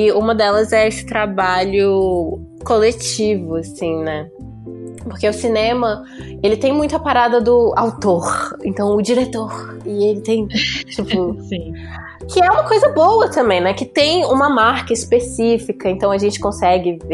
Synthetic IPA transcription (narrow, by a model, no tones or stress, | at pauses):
ɪũmɐd̪ɛlɐzɛesɪ̥t̪ɾabaʎʊ | kolet͡ʃivʊasĩnɛ | poɾkeʊsinẽmɐ | elɪt̪ẽj̃mũj̃t̪ʊɐpaɾad̪ɐd̪ʊa̰wt̪oɾḛ̃nt̪ɐ̃w̃ʊd͡ʒiɾet̪oɾ | ɪelɪt̪ẽj̃t͡ʃipʊĩ | kʰɪɛũmɐkojzɐbowɐt̪ɐ̃mbẽj̃nɛkɪt̪ẽj̃ṵ̃mɐmaɾkɐispesifikɐẽnt̪ɐ̃w̃ɐʒẽnt͡ʃɪ̥kõsɛɡɪve